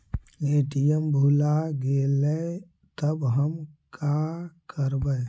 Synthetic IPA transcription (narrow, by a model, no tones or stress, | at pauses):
eːʈijəmbʱulaɡele | t̪əbɦəmkʰakəɾbə